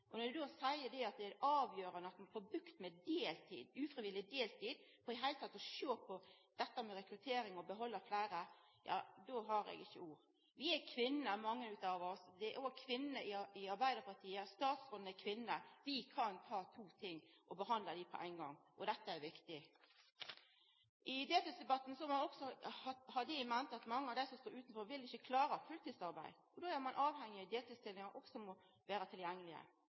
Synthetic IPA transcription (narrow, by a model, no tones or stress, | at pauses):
ʔɔnɔɾd̪ʉd̪oːsæɪəd̪ɛɑt̪̚d̪ɛæɑːʋjøːɾənəɑt̪mɛnfɔɾbɾʉkt̪mɛd̪eːlt̪ʰḭːd̪ʉːfɾɪʋɪlːɪd̪eːlt̪ʰiːd̪fɔɾɪɦæɪlət̪ʰɑt̪ːɔʃøːpʰɔd̪̥ɛt̪ːəmɛɾɛkɾʉt̪ʰeːɾɪŋɔbəɦɔlːəflæːɾə | jɑ̰ːd̪oːɦɑɾɛ̰ɡɪçːəuːɾ | ʋɪækʰʋɪnəmɑŋːənʉːt̪ɑːʋɔsd̪ɛæɾʔoɡkʰʋɪnnəʔɪɪɑɾbæɪd̪əɾpʰɑt̪ʰiːəst̪ɑːt̪sɔnəkʰʋɪnːəʋɪkʰɑnt̪ʰɑːt̪ʰuːt̪ʰɪŋːʔɔbəɦɑnd̪ləd̪ipʰɔʔæ̰ɪnɡɑ̰ŋːʔɔd̪ɛt̪ːəæʋɪkt̪ɪ | ʔɪd̪eːt̪ʉsd̪ɛbɑt̪ːn̩sɔɑmɑnɔksɔhɑhɑd̪ɪmɛnt̪ɑt̪mɑŋːəɑʋd̪æɪsɔmst̪oːɾʉːt̪n̩fɔɾʋɪlɪçəkʰlɑːɾəfʉlt̪ʰiːd̪sɑɾbæ̰ɪd̪ʔɔd̪oːæɾmɑnʔɑːʋhɛŋːɪɑd̪eːt̪ɪst̪ɪlːɪŋɑʔɔɡsɔmɔ | ʋæːɾət̪ʰɪljɛŋːəlɪə̰